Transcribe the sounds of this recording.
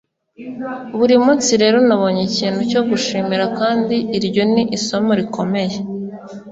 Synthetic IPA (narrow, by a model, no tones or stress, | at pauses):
βuɾimut͡siɾe̞ːɾonaβo̞ɲeciːnhuco̞ɡuʃimiɾakaːndiːɾjo̞niʔiso̞moɾikʰo̞me̞je